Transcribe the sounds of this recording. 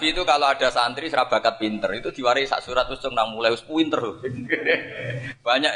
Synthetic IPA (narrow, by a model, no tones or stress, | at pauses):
fiːt̪ukaloaɖ̥a̤sant̪ɾisɾab̥a̤kat̪̚pint̪ərit̪ud̪̥i̤waɾesa̰ʔsuɾat̪̚wu̥t͡ʃʊŋnaŋmulajʊspuint̪ərl | b̥aɲaʔ